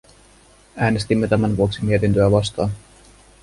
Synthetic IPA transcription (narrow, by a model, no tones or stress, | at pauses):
æːne̞st̪imːe̞t̪æmænʋuo̞ksimiet̪int̪øæʋɑst̪ɑːn